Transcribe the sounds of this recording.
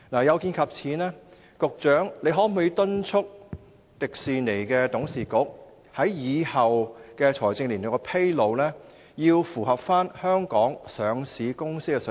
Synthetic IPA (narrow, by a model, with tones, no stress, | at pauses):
naː˨˩jɐ˨˧wkiː˧nkʰɐ˨p̚t͡sʰiː˨˥nɛː˥ | kʊ˧k̚t͡ʃœː˨˥ŋle˨˧jɦɔː˨˥m˨u˨˧ji˧wt̪ɵ˥nt͡ʃʰʊ˥k̚ | t̪ɪ˨k̚siː˨˧ne˨˩jkɛː˧t̪ʊ˨˥ŋsiː˨˩kʊ˨˥k̚ | hɐ˨˥jjiː˨˧hɐ˨wkɛː˧t͡sʰɔː˨˩jt͡sɪ˧ŋli˨˩no˨˩kɔ˧pʰe˥jlo˨˧wlɛː˥ | jiː˧wfuː˨˩ɦɐ˨p̚faː˥nhœː˥ŋkɔː˨˥ŋsœː˨˧ŋsiː˨˧kʊ˥ŋsɪ˥kːɛ˧s